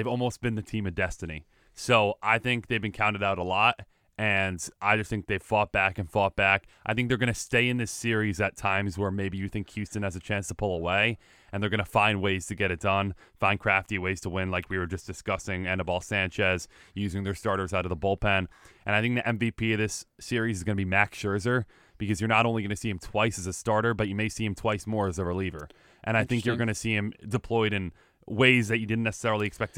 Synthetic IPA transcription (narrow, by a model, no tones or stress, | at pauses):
ðevɔlˠmoʊsb̥ɨ̃nðɨtʰĩmɨvdɛstɨnḭ | soʊʔaɪθɪ̃ŋk̚ðeɪvbɨ̃nkʰãʊ̃ñtɨɾaʊɾəlɔt | ɨ̃nʔaɪd͡ʒʌst̪̚θɪ̃ŋk̚ðeɪv̥fɔt̚b̥ækɨ̃nfɔt̚b̥ækʔaɪθɪ̃ŋk̚ðə˞ɡʌñɨsteɪɨ̃nðɪsɪɹizɨtʰãɪ̃mzwə˞meɪbijɨθɪ̃ŋkʰj̥ʉstɨ̃nɨzɨt͡ʃʰæ̃nstʰəpʰʊlˠəweɪ | ʔɨ̃nðə˞ɡʌnəfãɪ̃nd̚weɪz̥tʰɨɡɛɾɨt̚d̥ʌ̃n | fãɪ̃n̚kʰɹ̥æftiweɪz̥tʰəwɪ̃nlaɪkwiwə˞d͡ʒʌsd̥ɨskʌsɪ̃ŋænəbɔlˠsæ̃nt͡ʃɛzjʉzɪ̃ŋðə˞stɑɹɾə˞zaʊɾʌvðəbolˠpʰæ̃nʔɨ̃ñaɪθɪ̃ŋk̚ðiʔɛ̃ɱvipʰiʌðɪsːɪɹizɨzɡʌnəbimækʃɜ˞zə˞ | b̥ɨkʰʌzjə˞nəɾõʊ̃nliɡʌ̃nɨsiɨ̃mtʰw̥aɪsɨzɨstɑɹɾə˞bʌt͡ʃɨmeɪsiɨ̃mtʰw̥aɪsmɔɹɨzəɹəlivə̰˞ | ʔɨ̃ɾ̃aɪθɪ̃ŋk̬jə˞ɡʌnɨsiɨ̃mdɨpʰl̥ɔɪɾɨ̃n | weɪzðɨt͡ʃɨdɪdⁿn̩nɛsə̥sɛɹl̩ˠiɨkspɛk̚t